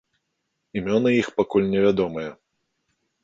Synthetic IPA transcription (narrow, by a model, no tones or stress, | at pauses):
imʲɔnɨjixpakulʲnʲɛvʲad̪ɔmɨjɛ